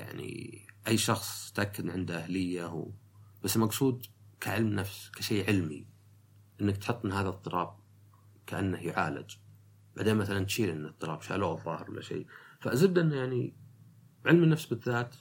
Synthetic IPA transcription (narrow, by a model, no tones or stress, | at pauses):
ja̰ʕnḭʔajːʃɑxsˤt̪ʔakːad̪ʕɪnd̪aʔahlɪjːaw | b̥asːlmɑqsˤuːd̪kaʕɪlmnafskaʃeːʕɪlmḭ | ʔɪnːak̚t̪ħɨt̪ˤːɪnhaːðat̪ˤːɨɾʔɑːb̚ | kaʔanːahjʊʕa̰ːlɪ̰d͡ʒ | b̥aʕd̪eːnmaθalant̪ʃiːlʔɪnːt̪ˤːɨlˤɑ̰ːbʃa̰ːloːʔðˤːɑːhɪɾwa̰lːa̰ʃḛːfaʔzɪdd̪ʔɪnːjaʕni | ʕɪlmnːafsbɪðːaːt̪